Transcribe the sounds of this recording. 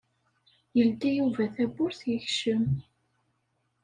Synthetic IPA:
jəld̪ijuvæθæbʊɾθjəçʃəm

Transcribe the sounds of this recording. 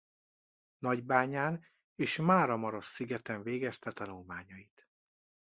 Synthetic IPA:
nɒɟbaːɲaːn | eːʃmaːɾɒmɒɾo̞ʃsiɡɛt̪ɛɱveːɡɛst̪ɛt̪ɒnulmaːɲɒit̪

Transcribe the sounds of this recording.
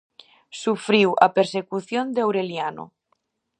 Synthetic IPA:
sufɾiwa̰peɾsekuθjond̪eawɾeljano̰

